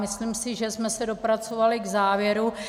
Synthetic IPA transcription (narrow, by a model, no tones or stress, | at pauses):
mɪslimsɪʒɛsmɛsɛdo̞pɾat͡so̞valɪɡzaːvjɛɾu